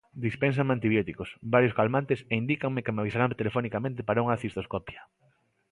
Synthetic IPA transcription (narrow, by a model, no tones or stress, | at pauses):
d̪ispens̬aŋmant̪iβjɔt̪ikosbaɾjoskalmant̪eseind̪ikaŋmekemaβisaɾant̪elefonikamẽnt̪epaɾauŋɐθist̪oskɔpja